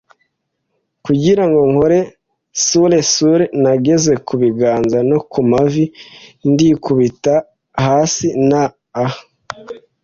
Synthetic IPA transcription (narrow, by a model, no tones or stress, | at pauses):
kuɟiɾaŋɡo̞ŋhoɾe̞ | sule̞suɾenaɡe̞ze̞kuβiɡaːnzano̞kumavindikuβita | haːsinaː